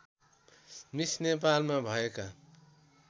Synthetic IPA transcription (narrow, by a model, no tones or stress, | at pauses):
misnep̬almabʱʌeka